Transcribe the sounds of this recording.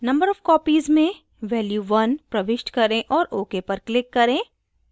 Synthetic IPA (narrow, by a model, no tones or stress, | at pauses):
nɐ̃mbəɾɔːfkɔːpiːzmẽ | ʋɛːljuʋɐnpɾɐʋɪʃʈkɐɾẽʔɔːɾʔoːkepɐɾklɪkːɐɾẽː